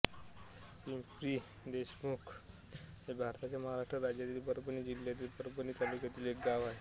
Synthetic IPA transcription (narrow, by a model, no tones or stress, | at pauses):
pimpɾiː | d̪eɕmukʰ | ɦebʱaɾt̪at͡ɕjaməɦaɾaʂʈɾəɾad͡ʑjat̪iːlbəɾbəniːd͡ʑilːjat̪iːlbəɾbəniːt̪alukjat̪iːlek̚ɡaʋaɦe